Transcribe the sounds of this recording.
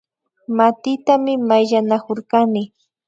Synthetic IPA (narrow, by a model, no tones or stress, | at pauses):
mat̪ɪt̪amɪmajʎanakoɾkanɪ